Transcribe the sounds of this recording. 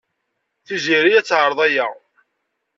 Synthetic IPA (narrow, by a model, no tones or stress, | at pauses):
θiziɾijæt͡sːʕəɾˤðˤæja